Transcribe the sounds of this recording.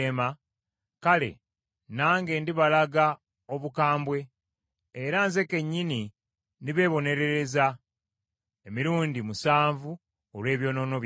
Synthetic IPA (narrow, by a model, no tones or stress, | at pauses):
ema | kale̞̰ | naːŋɡe̞ndiβalaɡa | o̞βukaːmbwe̞ː | ɾanze̞ke̞ɲːini | ndiβe̞ːβo̞ne̞ɾe̞ɾe̞za | emiɾuːndimusaːɱvu | olwe̞ːβjo̞ːno̞ːno̞β